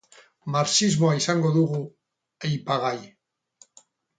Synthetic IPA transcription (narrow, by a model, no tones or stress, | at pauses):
maɾsizmo̞aisaŋɡo̞ðuɣu | ejpaɣaj